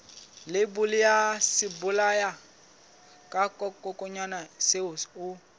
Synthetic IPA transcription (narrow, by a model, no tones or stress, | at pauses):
lɪbʊlɪjasɪbʊlaja | kʼakʼɔkʼɔkʼɔɲanaseʊsʊ